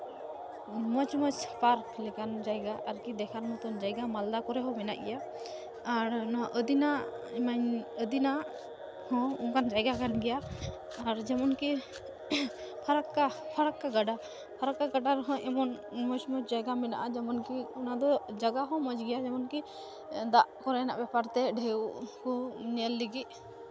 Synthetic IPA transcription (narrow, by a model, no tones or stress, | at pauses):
mɔt͡ʃmɔt͡ʃpaɾklɛkand͡ʒajɡaʔaɾkid̪ɛkʰaɾmɔt̪ɔnd͡ʒajɡamald̪akɔɾɛɦɔ̃mɛna̰ʔjaː | ɾnɔwaʔəd̪ina | ɛmaɲəd̪ina | hɔ̃ɔŋkand͡ʒajɡakanɡɛjaː | ɾd͡ʒɛmɔnki | pʰaɾakːapʰaɾakːaɡaɖa | pʰaɾakːaɡaɖaɾɦɔ̃ʔɛmɔnmɔd͡ʒmɔd͡ʒajɡamɛna̰ʔad͡ʒɛmɔnkiɔnad̪ɔd͡ʒaɡaɦɔ̃mɔd͡ʒɡɛjad͡ʒɛmɔnki | d̪aʔkɔɾɛna̰ʔbɛpaɾt̪ɛɖʱɛwkuɲɛlːiɡit̪̚